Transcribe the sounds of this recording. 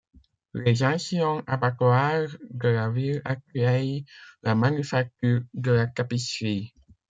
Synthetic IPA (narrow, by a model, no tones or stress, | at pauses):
leʒãsjɔ̃ʔabakwaʁd̪əlavilakɥɛjlamanyfak̚t̪yːʁd̪əlakapisi